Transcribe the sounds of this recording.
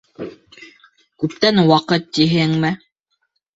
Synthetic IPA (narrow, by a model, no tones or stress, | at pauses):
kʉp̚t̪ænwɑqɤt̪ːiɦɘŋmɘ